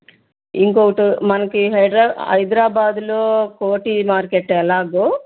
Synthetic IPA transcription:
iŋkoɡɐʈumɐnɐkːiɦɐɖɾaɐ̰jd̪ɾaːbaːd̪loːkoːʈimaːɾkeʈːɛlaːɡo

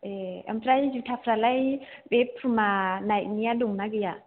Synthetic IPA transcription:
eɛ̰mpʰɾajzutʰapɾalajbepʰɾumanajk̚nijaduŋnaɡija

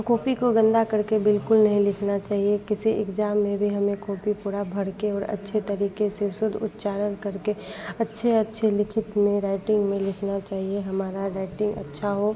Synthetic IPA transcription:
koːpikoɡə̃nd̪akɐɾkebɪlkʊlnɐɦĩlɪkʰnat͡ʃaːɦiekɪsiɪ̰kd͡ʒaːmːẽbʱiɦɐmẽkoːpipuːɾabʱɐɽkeɔːɾɐ̰tːʃʰet̪əɾiːkesesʊd̪ʱʊ̰t̪t͡ʃaːɾənkɐɾkeɐtːʃʰeɐtːʃʰelɪkʰɪt̪mẽɾaːɪʈɪ̃ŋɡmẽlɪkʰnat͡ʃaːɦieɦɐmaːɾaɾaːɪʈɪ̃ŋɡɐ̰tːʃʰaɦo

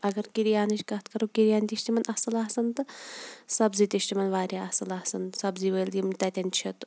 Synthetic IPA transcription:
ɐɡɐɾkiɾijaːniʃʲkɐɦt̪kɐɾuːkiɾʲijaːnʲt̪ʲiʃt̪imɐnʔɐsɐlaːsɐnt̪ɨsɐbzit̪ʲiʃt̪imɐnʋaːɾʲjaɐsɐlaːhsɐnsɐbziːʋəːld̪imt̪ɐt̪ʲɐnt͡ʃʰit̪

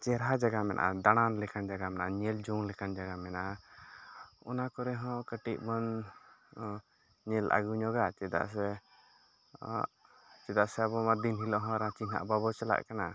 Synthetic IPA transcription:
t͡ʃɛɾɦad͡ʒaɡamɛnʔʔa̰d̪aɽ̃anlɛkand͡ʒaɡamɛnʔaɲɛld͡ʒɔŋlɛkand͡ʒaɡamɛnʔa | ɔnakɔɾɛɦɔ̃kəʈiʔ̚mɔn | ɲɛlʔa̰ɡuɲɔɡat͡ʃɛd̪a̰ʔsɛ | t͡ʃɛd̪aʔsɛaβɔmad̪inɦilɔʔɦɔ̃ɾãt͡ʃina̰ʔbaβɔt͡ʃala̰ʔkana

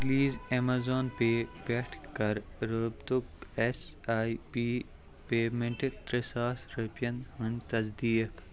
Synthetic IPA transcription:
ɡliːzemaːzoːnpebɛːʈʰkɐɾɾəbt̪ubesaːipiː | peːmẽɳʈet̪ɾesaːsɾɐpjɐnhənt̪ɐzd̪iːjɐk

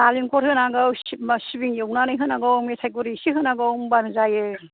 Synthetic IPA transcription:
aliŋkʰɔɾhɯnaɡɯwsibiŋjɯwnanɯjɦɯnaɡɯwmesʰajkuɾisiɦɯnaɡɯwŋbanɯzajɯ

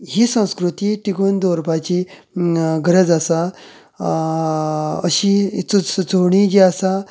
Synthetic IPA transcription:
ɦiːsə̃w̃skɾut̪iːʈiɡund̪oɾpat͡ɕi | ɡəɾəd͡zasa | əɕit͡sut͡soɽid͡ʑiasa

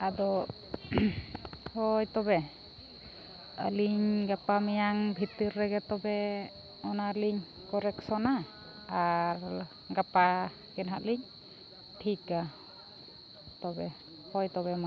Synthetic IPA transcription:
ad̪ɔ | hɔjt̪ɔbɛ | ə̰liɲɡapamijaŋbʱit̪iɾːɛɡɛt̪ɔbɛ | ɔnaliɲ | kɔɾɛksɔnaː | aɾ | ɡapa | kɛnɦaʔliɲ | tʰika | t̪ɔbɛ | hɔjt̪ɔβɛma

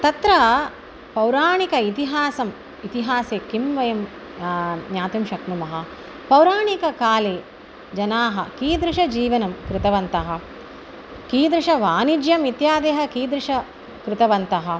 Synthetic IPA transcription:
t̪ɐt̪ɾɐ | pɐwɾaːɳikɐit̪iɦaːsɐm | it̪iɦaːseːkimʋɐjɐm | ɲaːt̪imʃɐknumɐɦɐ̆ | pɐwɾaːɳikɐkaːleː | d͡ʒɐnaːɦɐkiːd̪ɾɪʃɐd͡ʒiːʋɐnɐmkɾɪt̪ɐʋɐnt̪ɐɦɐ̆ | kiːd̪ɾɪʂɐʋaːnid͡ʒjɐmit̪jaːd̪eːɦɐkiːd̪ɾɪʂɐ | kɾɪt̪ɐʋɐnt̪ɐɦɐ

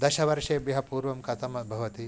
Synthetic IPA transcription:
d̪ɐʃɐʋɐɾʂeːbjɐɦɐpuːɾʋɐmkɐt̪ʰɐmɐbʱɐʋɐt̪i

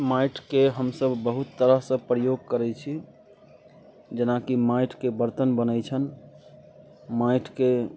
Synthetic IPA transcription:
maiʈʰkeɦəmsəbːəɦut̪ːəɾəɦsə̃pɾəjoɡ̚kəɾɛt͡ʃʰi | d͡ʒənakimaiʈʰkebəɾt̪ənbənəjt͡ʃʰən | maiʈʰke

